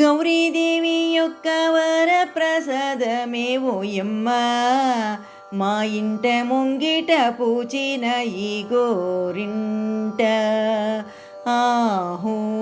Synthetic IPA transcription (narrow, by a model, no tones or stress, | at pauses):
ɡɐwɾid̪eːʋijokːɐʋɐɾɐpɾɐsad̪ɐmeːʋujemːɐ | maːjiɳʈemoŋɡiʈɐpuːt͡ʃinɐiːɡoɾiɳʈɐ | aːɦu